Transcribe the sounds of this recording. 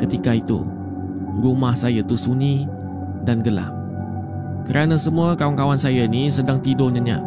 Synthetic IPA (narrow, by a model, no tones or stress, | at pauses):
kət̪ikait̪ṵ | ɾumahsajat̪usuni | danɡəla̰ŋ̚ | kəɾanasəmuakawankawansajanisədaŋt̪idoɲãɲa̰